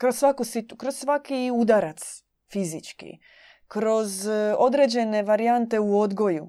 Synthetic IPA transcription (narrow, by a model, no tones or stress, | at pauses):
kɾossʋakusit̪ukɾossʋakiud̪aɾat̪s | fizit͡ʃkḭ | kɾo̞zo̞d̪ɾe̞d͡ʑe̞ne̞ʋaɾijant̪e̞uo̞d̪ɡo̞ju